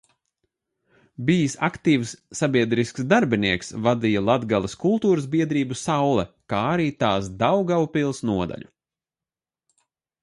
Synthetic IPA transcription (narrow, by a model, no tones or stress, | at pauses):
bijisa̰kt̪iːwsːabʲiɛd̪ɾisksd̪aɾbiniɛksvad̪ijalˠad̪ɡalˠɐskulˠt̪uːɾəzbiɛd̪ɾiːbusawlˠɛkaːaɾiːt̪aːsd̪awɡawpilˠsnuɔd̪a̰ʎʲu